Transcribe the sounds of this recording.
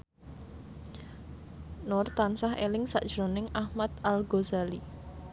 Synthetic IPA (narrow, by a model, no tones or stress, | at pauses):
nʊrt̪ansaɦḛlɪŋsa̰ʔd̥ʒ̥ɾonɪŋʔahmat̪alɡozali